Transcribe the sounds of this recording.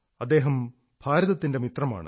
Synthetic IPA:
ɐd̪ːe̞ːɦɐm | b̥ʱaːɾɐðɐt̪ːinde̞mit̪rɐma̰ːɳɨ̰

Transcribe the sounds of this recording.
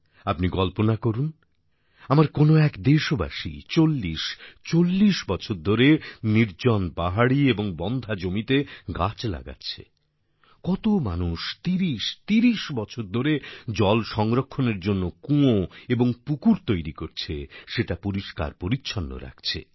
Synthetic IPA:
apniɡɔlponakoɾun | amaɾkonoɛkd̪eʃoba̰ʃḭt͡ɕolːiʃt͡ɕolːiʃbɔt͡ɕʰoɾd̪ʱoɾeniɾd͡ʑɔnpaɦaɽieboŋbɔnd̪ʱad͡ʑomit̪eɡat͡ɕla̰ɡa̰tːɕʰḛ | kɔt̪oma̰nuʃt̪iɾiʃt̪iɾiʃbɔt͡ɕʰoɾd̪ʱoɾed͡ʑɔlʃɔŋɾokʰːoneɾd͡ʑonːokũoeboŋpukuɾt̪ojɾikoɾt͡ɕʰeʃeʈapoɾiʃka̰ɾpoɾitːɕʰɔnːo̰ɾa̰k̚t͡ɕʰḛ

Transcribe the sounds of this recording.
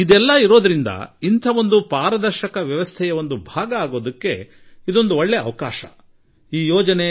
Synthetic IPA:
id̪ɛlːɐiɾo̞ːd̪ɐɾind̪ɐ̰int̪ʰɐʋo̞nd̪upaːɾɐd̪ɐɾʃɐkɐʋjɐʋɐst̪ʰɛjɐo̞nd̪ubʱaːɡɐaːɡo̞ːd̪ɐkːe̞ | id̪o̞nd̪uoɭːeɐʋɐkaːʃɐ̰ | iːjoːd͡ʒɐne̞

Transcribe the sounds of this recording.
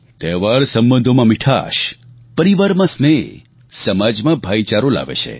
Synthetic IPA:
t̪ɛʋaɾsəmbə̃nd̪ʱomãmiʈʰa̰ʃ | pəɾiʋaɾmãsne | səmad͡ʒmãbʱait͡ʃaɾola̰ʋḛt͡ʃʰḛ

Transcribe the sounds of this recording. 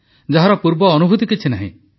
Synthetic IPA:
d͡ʒaɦaɾɔpuɾbɔːnubʱut̪ikit͡ʃʰinaɦḭ̃

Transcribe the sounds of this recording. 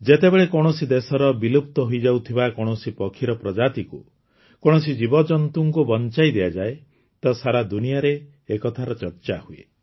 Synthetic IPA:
d͡ʒet̪ebeɭekɔɽ̃ɔsid̪esɔɾɔbilup̚t̪ɔɦuid͡ʒawt̪ʰibakɔɽ̃ɔsipɔkʰiɾɔpɾɔd͡ʒat̪iku | kɔɽ̃ɔsid͡ʒibɔd͡ʒɔnt̪uŋkubɔnt͡ʃajd̪ejad͡ʒae | t̪ɔsaɾad̪unijaɾeː | kɔt̪ʰaɾɔt͡ʃɔɾt͡ʃahuḛ

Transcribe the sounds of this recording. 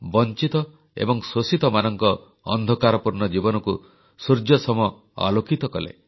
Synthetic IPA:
bɔnt͡ʃit̪ɔ | ḛbɔŋsosit̪ɔmanɔŋkɔ | ɔ̰nd̪ʱɔkaɾɔpuɾnɔd͡ʒibɔnɔku | suɾd͡ʒjɔsɔm | a̰lokit̪ɔkɔlḛ

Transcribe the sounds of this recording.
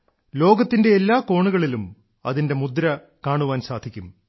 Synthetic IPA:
lo̞ːɡɐt̪ːinde̞ːlːaːko̞ːɳuɣɐɭilum | ɐ̰ðinde̞mud̪ɾɐ | kaːɳuʋaːnsaːd̪ʱikʲːum

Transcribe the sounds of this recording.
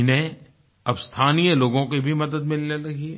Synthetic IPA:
ne | ɐbst̪ʰaːnijəloːɡõkibʱimɐd̪əd̪mɪlnelɐɡiɦɛ

